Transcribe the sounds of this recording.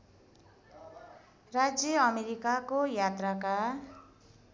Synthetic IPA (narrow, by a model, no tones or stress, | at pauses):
rad͡zjʌʌmeɾikakojat̪raka